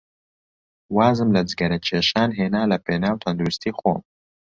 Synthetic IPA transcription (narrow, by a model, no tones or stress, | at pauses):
waːzɨmlɐd͡ʒɡɐɾɐt͡ʃʰeːʃaːnɦeːnaːlɐpʰeːnaːwt̪ʰɐnd̪uɾust̪ʰiːxo̰ːm